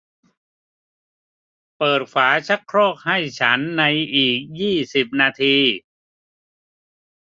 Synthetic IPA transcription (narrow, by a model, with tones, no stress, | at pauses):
pɤː˨˩t̪̚kʰwaː˩˦t͡ɕʰa˦˥kʰɾɔː˥˩k̚ha˥˩jt͡ɕʰa˦˥nːa˧jʔiː˨˩k̚jiː˥˩si˨˩p̚naː˧t̪ʰiː˧